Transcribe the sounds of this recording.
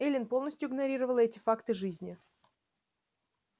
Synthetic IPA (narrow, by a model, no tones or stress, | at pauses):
ɛlʲɪnpo̞lˠnəsʲtʲjʊɪɡnɐɾʲiɾəvəlˠɛtʲɪfakt̪ɨʐɨzʲnʲɪ